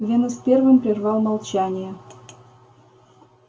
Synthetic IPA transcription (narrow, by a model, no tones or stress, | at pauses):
vʲenospʲervɨmʲpɾʲɪrvɑlˠmɑlˠt͡ɕanʲɪjə